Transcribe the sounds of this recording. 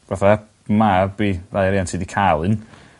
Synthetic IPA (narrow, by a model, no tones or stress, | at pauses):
vaθa | mabiːrajaɾiːantʰiːdikʰalˠɨn